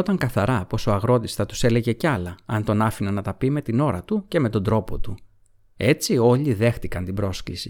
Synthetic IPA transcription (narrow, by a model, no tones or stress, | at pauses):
ot̪ɐŋkɐθɐɾɐpo̞so̞ɐɣɾo̞t̪isθɐt̪u̥se̞le̞ʝe̞cɐlɐɐnt̪o̞nɐfinɐnɐt̪ɐpime̞t̪ino̞ɾɐt̪uce̞met̪o̞nd̪ɾo̞po̞t̪u | e̞t͡sio̞ʎiðe̞xθikɐnt̪ibɾo̞sklḭsḭ